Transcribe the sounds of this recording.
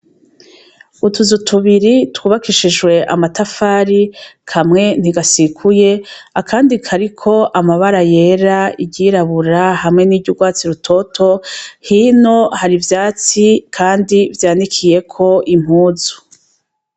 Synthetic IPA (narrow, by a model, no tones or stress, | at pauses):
utuzutʰuβiɾitwuːβakiʃiʒɡwe̞ʔa̰matafaːɾikʰamŋe̞n̥iɡasikʰuje̞akʰaːndikʰaɾikʰo̞ʔamaβaɾaje̞ɾaiɟiɾaβuɾahamŋe̞niːɾɟuɡwaːt͡siɾutʰo̞tʰo̞hiːno̞haɾivjaːt͡sikʰaːndivjaːnikʰije̞kʰo̞im̥huːzu̥